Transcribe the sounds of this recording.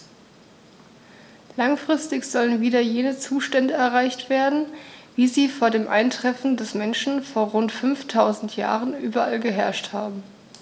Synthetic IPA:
laŋfʁ̥ɪstɪçz̥ɔlənviːdɐjeːnət͡suːʃtɛndəɛɐʁaɪçtv̥eːɐdn̩viːziːfoːɐdeːmʔa̰ɪntʁ̥ɛfn̩dɛsmɛnʃn̩foːɐʁʊntfʏnftʰaʊzn̩tʰja̰ːʁənʔyːbɐʔalɡəɦɛɐʃthaːbm̩

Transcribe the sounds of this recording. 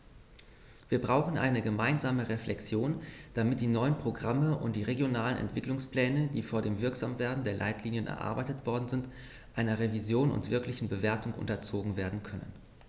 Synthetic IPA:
v̥iːɐbʁaʊxn̩ʔa̰ɪnəɡəmaɪnzaːməʁeflʔɛksjoːnd̥amɪt̚d̥iːnɔʏənpʁ̥oɡʁaməʔʊ̰ntd̥iːʁeɡjonaːlənɛ̰ntv̥ɪklʊŋspl̥ɛːnədiːfoːɐdeːmvɪɐkz̥aːmveːɐdn̩deːɐlʔa̰ɪtʰliːnjənʔɛ̰ɐʔa̰ɐbaɪtətv̥ɔɐdn̩zɪnt | ʔaɪnɐʁevizjoːnʊ̰ntv̥ɪɐklɪçn̩bəveːɐtʊŋʔʊ̰ntɐt͡soːɡŋ̩veːɐdn̩kʰœnə̰n

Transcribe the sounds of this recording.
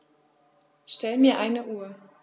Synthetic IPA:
ʃtɛlmiːɐʔaɪnəʔuːɐ

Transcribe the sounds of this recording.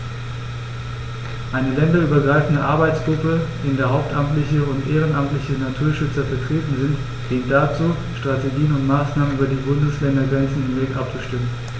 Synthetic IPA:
ʔaɪnəlɛndɐʔyːbɐɡʁaɪfn̩dəʔaɐbaɪt͡sɡ̥ʁʊpəd̥eːəndeːɐɦaʊp̚tʔamtlɪçəʊntʔeːʁ̞ənʔamtlɪçənatʰuːɐʃʏt͡sɐfɛɐtʁ̥eːtn̩zɪnt | l̥ɪːkt̚d̥at͡suː | ʃtʁ̥ateɡiːənʊntmaːsnaːmənyːbɐdiːbʊndəslɛndɐɡʁɛnsn̩ɪmveːɡʔap̚t͡suʃtɪmən

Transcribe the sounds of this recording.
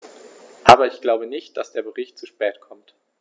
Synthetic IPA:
ʔaːbɐɪçɡ̥laʊbənɪçt̚d̥asd̥eːɐbəʁɪçt̚t͡suʃpɛːtkʰɔmt

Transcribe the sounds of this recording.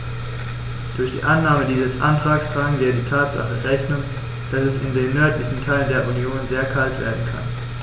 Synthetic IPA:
d̥ʊɐçd̥ḭːʔanːaːmədiːzəsʔa̰ntʁ̥aːkstʁ̥aːɡn̩viːɐdiːtʰaːtz̥a̰χəʁɛçnən | d̥asɛsɪndeːnːœɐtlɪçn̩tʰaɪləndeːɐʔunjoːnzeːɐkʰaltv̥ḛːɐdn̩kʰa̰n

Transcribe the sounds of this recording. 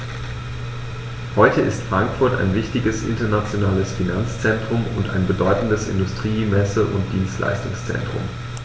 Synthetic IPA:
hɔʏtʰəʔɪstfʁ̥aŋkfʊɐta̰ɪnvɪçtɪɡəsʔɪ̰ntɐnat͡sjonaːləsfinant͡st͡sɛntʁ̥ʊmʊnta̰ɪnbədɔʏtn̩dəsɪ̰ndʊstʁ̥iːmɛsəʔʊ̰nt̚d̥iːnstlʔa̰ɪstʊŋst͡sɛ̰ntʁ̥ʊ̰m

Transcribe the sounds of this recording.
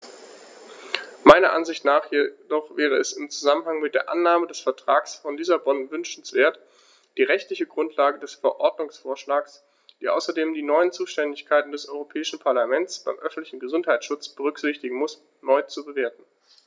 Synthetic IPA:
maɪnɐʔanzɪçtnaːχjedɔχv̥ɛːʁ̞əɛsɪmt͡suzamənhaŋmɪt̚d̥eːɐʔa̰nːaːmədɛsfɛɐtʁ̥aːksfɔndiːsabɔnvʏnʃn̩sv̥eːɐt | d̥iːʁɛçtlɪçəɡʁʊntʰlaːɡədɛsfɛɐʔɔɐdnʊŋsfoːɐʃlaːks | d̥iːʔa̰ʊsɐdeːmdiːnɔʏənt͡suːʃtɛndɪçkʰaɪtn̩dɛsʔɔʏʁopʰɛːɪʃn̩pʰaɐlamɛntt͡sb̥aɪmʔœfn̩tlɪçn̩ɡəzʊnthaɪtt͡sʃʊt͡sb̥əʁʏkz̥ɪçtɪɡŋ̩mʊs | nɔʏt͡subəveːɐtn̩

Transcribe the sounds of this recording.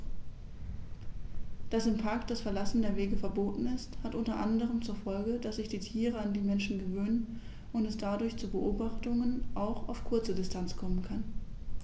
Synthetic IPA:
d̥asɪmpʰaɐktd̥asfɛɐlasn̩deːɐveːɡəfɛɐboːtn̩ɪsthatʔʊntɐʔandəʁ̞əmt͡suːɐfɔlɡəd̥asz̥ɪçd̥iːtʰiːʁ̞əandiːmɛnʃn̩ɡəvøːnən | ʊntɛsd̥adʊɐçt͡suːbəʔoːbaχtʊŋənʔaʊxaʊfkʰʊɐt͡sədɪstʰant͡skʰɔmənkʰan

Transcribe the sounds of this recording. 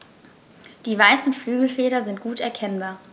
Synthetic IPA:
d̥iːvaɪsn̩flyːɡl̩feːɾɐzɪnt̚ɡ̥uːtɛɐkʰɛnbaːɐ

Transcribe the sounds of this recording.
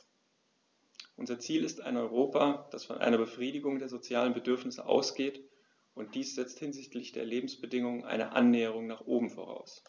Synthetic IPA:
ʔʊnzɐt͡siːlɪstaɪnɔʏʁoːpad̥asfɔ̰nʔa̰ɪnɐbəfʁ̥iːdɪɡʊŋdeːɐzot͡sjaːlənbədʏɐfnɪsə̰ʔa̰ʊsɡ̥eːt | ʔʊnt̚d̥iːsz̥ɛt͡sthɪnzɪçtlɪçd̥ḛːɐleːbm̩sb̥ədɪŋʊŋənʔa̰ɪnə̰ʔa̰nːɛːəʁ̞ʊŋnaːχʔoːbm̩fo̰ːʁa̰ʊs

